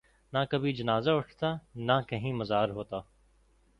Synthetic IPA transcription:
nãkɐbʱid͡ʒɐnaːzaʊʈʰt̪aːnãkɐɦĩːmɐzaːɾɦoːt̪aː

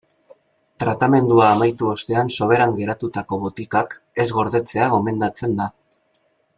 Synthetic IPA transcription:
t̪ɾat̪ame̞nd̪uaːmajt̪uo̞st̪e̞anso̞β̞e̞ɾaŋɡe̞ɾat̪ut̪ako̞βot̪ikak | e̞zɣo̞ɾðe̞t͡se̞aɣo̞me̞nd̪at͡se̞nd̪a

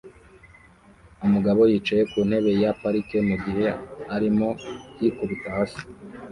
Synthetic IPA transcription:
umuɡaβo̞jit͡ʃaje̞kuːn̥he̞βe̞japaɾike̞muɡihe̞aɾimo̞jikuβitahasi̥

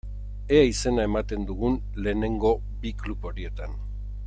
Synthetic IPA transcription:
eaise̞nae̞mat̪e̞nd̪uɣun | le̞ːne̞ŋɡo̞ | biklupo̞ɾie̞t̪an

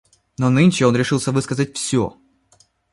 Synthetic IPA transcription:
nonɨnʲt͡ɕɪo̞nɾʲɪʂɨlˠsʲəvɨskəzət̚ʲfsʲo̰

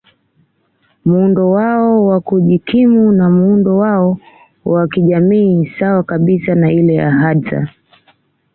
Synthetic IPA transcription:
mundɔwaɔwakuʄikʰimunamuundɔwaɔ | wakiʄamiːsawakaɓisanailɛja̰ɦaza̰

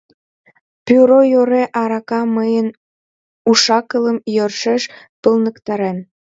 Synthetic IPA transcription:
pyɾojoɾeʔɑɾɑkɑməjən | uʃɑkələmjørʃeʃ | pəlnəkt̪ɑɾen

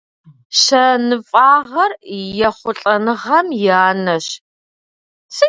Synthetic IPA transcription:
ɕɐnɨfʼaːʁɐrjɛχʷʊɬʼɐnɨʁɐmjaːnɐɕ | sɨ

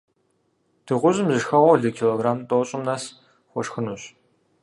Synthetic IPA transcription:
d̥ɨʁʷʊzɨmzɨʃxɐʁʷɔɮɨkʰiloːɡraːmtʼoːɕʼɪmnɐs | χʷɔʃxɨnuɕ

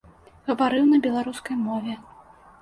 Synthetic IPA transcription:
ɣɐvaɾɨwnɐbʲɛlˠaɾuskɐjmɔvʲɛ

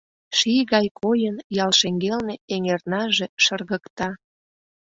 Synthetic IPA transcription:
ʃijɣɑjkʰojənjɑlʃeŋɡelneeŋernɑʒe̽ʃərɣəkt̪ɑ

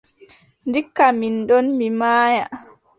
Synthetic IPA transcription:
ndikːaminɗɔnmimaːja

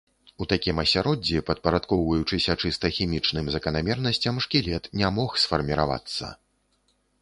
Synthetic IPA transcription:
ut̪akʲimɐsʲaɾɔd͡zʲːipɐt̪̚pɐɾat̪kɔwvɐjut͡ʂɨsʲɐt͡ʂɨst̪ɐxʲimʲit͡ʂnɨmzɐkɐnamʲɛrnɐsʲt͡sʲɐmʂkʲilʲɛt̪nʲamɔxsfɐrmʲiɾa̰va̰t̪sːɐ̰

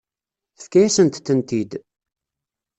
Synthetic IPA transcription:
θə̥fkæjæsənt̪θənt̪id̪

